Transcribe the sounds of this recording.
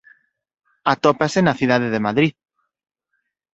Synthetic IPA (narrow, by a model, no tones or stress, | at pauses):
at̪opasenaθið̞aðeðemaðɾið